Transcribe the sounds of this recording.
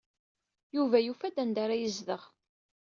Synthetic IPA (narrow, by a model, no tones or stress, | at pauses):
juvæjufæd̪ænd̪aɾajəzðəʁ